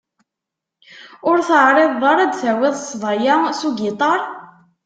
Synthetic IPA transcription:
ʊɾθəʕɾˤeðˤɑɾˤæd̪θæwɪðˤsˤvˤɑjasuɡit̪ˤɑɾˤ

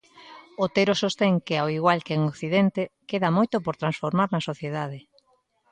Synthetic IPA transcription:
ot̪eɾosost̪eŋkeawiɣwalkeŋokθiðɛnt̪ekeðamojt̪opoɾt̪ɾansfoɾmaɾnɐsoθjeðað̞e

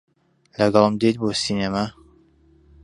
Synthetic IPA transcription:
lɐɡɑlˠmd̪et̪̚boːsiːnama

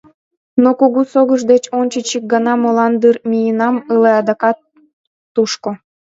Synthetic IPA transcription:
nokuɣusoɣəʒd̪et͡ɕonʲt͡ɕət͡ɕik̚ɡɑnɑmolɑnd̪ɯrmʲijenɑmɯleɑd̪ɑkɑt̪ː | uʃko

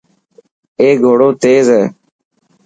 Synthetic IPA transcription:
eːɡʱoːɽoːt̪eːzeː

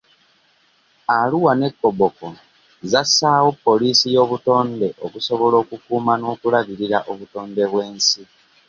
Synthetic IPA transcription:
aluwane̞kːo̞boko̞ | zasaːwo̞pːo̞liːsijo̞ːβuto̞ːnde̞ʔokuso̞βo̞lo̞ːkukuːmano̞ːkulaβiɾiɾaʔo̞βuto̞ːnde̞βwe̞ːnsi

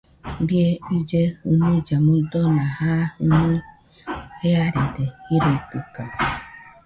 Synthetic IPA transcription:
bieid͡ʒehunud͡ʒamud̪onahahunu | heaɾed̪eiɾut̪ɨka

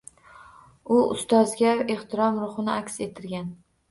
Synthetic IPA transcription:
ʊʊ̰st̪ɒzɡʲae̞ht̪ʰɪɾɒmɾʊχɨnɪakʲse̞t̪ʰɪɾɡʲan

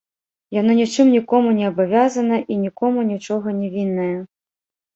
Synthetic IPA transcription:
janɔnʲit͡ʂɨmnʲikɔmunʲɛɐbavʲazɐnɐʔinʲikɔmunʲit͡ʂɔɣɐnʲɛvʲinːɐjɐ

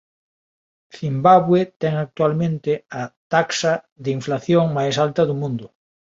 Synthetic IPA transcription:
θimbaβwet̪ɛŋak̚t̪walmẽnt̪ɪɐt̪aksɐ | ðɪiɱflaθjoŋmajsalt̪ɐðʊmũnd̪ʊ

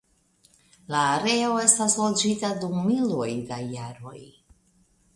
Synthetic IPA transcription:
laːɾe̞o̞e̞staslo̞d͡ʒitadumːilojdajaɾo̞̰j

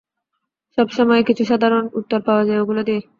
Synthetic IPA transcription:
ʃɔbʃɔmɔekit͡ɕʰuʃad̪ʱaɾonut̪ːoɾpaoad͡ʑaeoɡulod̪ie

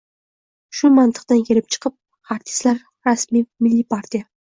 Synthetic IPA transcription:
ʃʊmant̪ʰɨ̥qt̪ankʲʰe̞lɪp̚t͡ʃʰɨ̥qʰɨp̚ | aɾt̪ʰɪ̥st̪laɾ | ɾasmijmɪlːipʰaɾt̪ʰʲija

